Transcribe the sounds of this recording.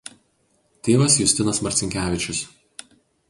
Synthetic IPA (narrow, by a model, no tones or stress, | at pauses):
t̪ʲeːʋɐsjʊsʲt̪ʲɪnɐsmɐɾʲt̪sʲɪŋʲkʲæːʋʲɪt͡ʃʲʊs